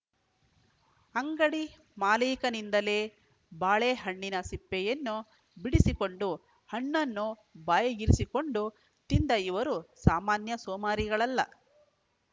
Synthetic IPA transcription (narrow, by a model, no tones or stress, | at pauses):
ɐŋɡɐɽi | maːliːkɐnind̪ɐle̞ː | baːɭeːɦɐɳːinɐsipːɛjɐnːu | biɽisikoɳɖu | hɐɳːɐnːu | baːjɐɡiɾisiko̞ɳɖu | t̪ind̪ɐiʋɐɾusaːmaːnjɐsɔːmaːɾiɡɐɭɐlːɐ̰